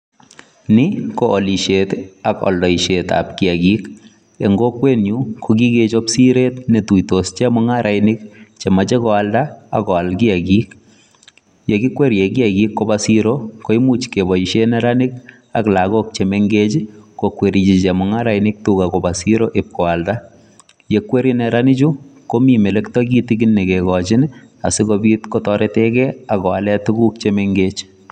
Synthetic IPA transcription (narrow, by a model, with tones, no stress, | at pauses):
nɪkoʔːli˨ʃetakɔ̰˨ldɔ˨iʃeta̰pki˨aɡik | e˨ŋɡokwe˦nɲukʰoɡi˦ɡe˦t͡ʃɔpsiɾe˦tne˨tuitost͡ʃɛ˦muŋa˦ɾʔajnɪkt͡ʃɛ˨mat͡ʃɛ˦kɔ˨alda̰ː˨kɔ˨a˨lɡi˦aɡi˦k | je˨ɡi˦kwe˦ɾje˨ɡi˦aɡikːobasiɾoko˦imu˦t͡ʃke˨bɔ˨i˨ʃe˦nɛɾa˦nɪ˦k | a˨kla˨ɣo˦k̚t͡ʃemeŋɡet͡ʃikokwe˨ɾi˨t͡ʃi˨t͡ʃe˨mu˨ŋa˦ɾa˨jni˦k̚tu˦kako˨ba˨si˦ɾo˦ʔe˨p̚kɔ˨wa˨lda˦ | je˨kwe˦ɾinɛɾa˦nɪ˦t͡ʃu˦ko˦mi˨me˨le˦ktɔ˦ɡi˦ti˦kinːe˨kekɔ˨t͡ʃɪ˦n | a̰˨si˦kobi˦tko˦tɔ˦ɾete˦kɛ˦a˨kɔ˨alɛ˦tu˦ɡu˦k̚t͡ʃemeŋɡet͡ʃ